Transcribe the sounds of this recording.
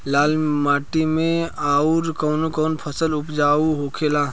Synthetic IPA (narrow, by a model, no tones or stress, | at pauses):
laːlmaːʈimẽaːuɾkɔːnokɔːnpʰəsəlʊpd͡ʒaːuɦoːkʰelaː